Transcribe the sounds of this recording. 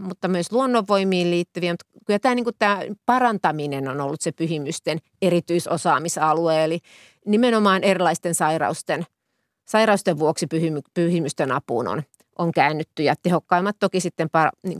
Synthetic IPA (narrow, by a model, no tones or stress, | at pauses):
mut̪ːɑmyøsluonːoʋːoimiːlliːt̪ːyʋiæmut̪kylhæt̪æːniːŋkutt̪æːpɑrɑnt̪ɑminenonolːut̪sepyhimyst̪en | erit̪yisosɑːmisɑlueːeli | nimenomɑːnerilɑist̪ensɑirɑ̰ust̪en | sɑirɑust̪eʋʋuoksipyhymypyhimyst̪enɑpṵːno̰n | ʔoŋkæːnːyt̪ːyjɑt̪ehokːɑimːɑt̪t̪okisit̪ːempɑrɑ̰niːŋ